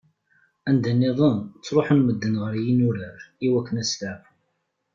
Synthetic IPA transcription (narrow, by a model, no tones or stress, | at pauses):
ænd̪ænːiðˤənt͡sːɾˤoħənməd̪ːənʁəɾjinʊɾəɾiwækːənæslaf